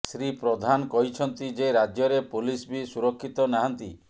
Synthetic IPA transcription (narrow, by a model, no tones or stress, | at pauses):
sɾipɾɔd̪ʱankɔɦit͡ʃʰɔnt̪id͡ʒeɾad͡ʒjɔɾepulisbisuɾɔkʰːit̪ɔnaɦant̪i